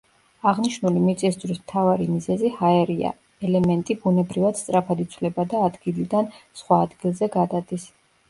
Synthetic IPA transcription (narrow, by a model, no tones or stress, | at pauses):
aʁniʃnulimit̪sʼiszɾismt̪ʰavaɾimizɛzihaɛɾia̰ | ɛlɛmɛnt̪ʼibunɛbɾivat̪st̪ʼɾapʰad̪it̪sʰwlɛbad̪aːd̪ɡilid̪ansχwaːd̪ɡilˠzɛɡad̪ad̪is